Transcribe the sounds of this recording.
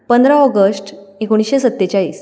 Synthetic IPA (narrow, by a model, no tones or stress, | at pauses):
pənd̪ʱɾaɔɡəsʈekoɽ̃isɕesət̪ːet͡ɕaiːs